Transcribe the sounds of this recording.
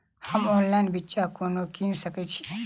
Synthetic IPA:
həmɔ̃ːnlanbitːt͡ʃakoːnokinsəket͡ʃʰi̥

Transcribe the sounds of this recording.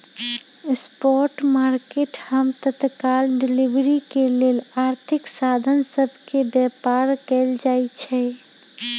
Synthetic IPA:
spɔɾʈmaɾkeʈhəmt̪ət̪kalɖilibɾikelelaɾt̪ʰiksad̪ʱənsəbʱkebjɛpaɾkɛld͡ʒajt͡ʃʰɛ

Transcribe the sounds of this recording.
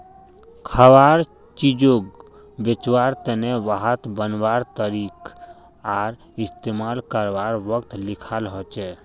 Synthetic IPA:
kʰəwaɾ | t͡ʃid͡ʒoɡ | bet͡ʃwaɾt̪əneʋaɦət̪bənbaɾt̪əɾik | aɾ | ist̪emalkəɾbaɾʋəkt̪likʰalɦɔt͡ʃɛ

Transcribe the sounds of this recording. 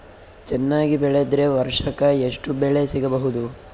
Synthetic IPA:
t͡ʃɛnːaːɡibɛɭed̪ɾe̞ʋɐɾʂɐkɐeʂʈubeɭe̞siɡɐbɐɦud̪u

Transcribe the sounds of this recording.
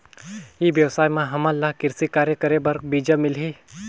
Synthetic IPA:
iʋjəʋsaːjmãɦɐmãlːaɦkɪɾsikaːɾjəkəɾebɐɾkbiːd͡ʒamɪlɦiː

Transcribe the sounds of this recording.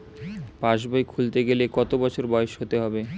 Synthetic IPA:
pãʃbajkʰult̪eɡelekɔt̪obɔt͡ɕʰoɾbɔeeʃɦot̪eɦɔbe

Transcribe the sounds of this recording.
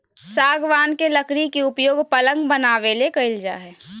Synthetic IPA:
saːɡʋaːnkeləkɽikiʊpjoːɡpɐlə̃ŋɡbənaːʋelekɐɪld͡ʒa̰ːɦɛː

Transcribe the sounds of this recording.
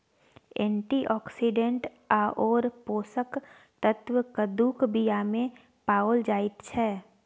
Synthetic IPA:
ɛ̰̃ːɳʈiʔɔːksiɖẽɳʈ | aʔɔːɾpoːsək | t̪ət̪wəkəd̪uːkbijamẽ | paːold͡ʒaːɪt̪t͡ʃʰɛː

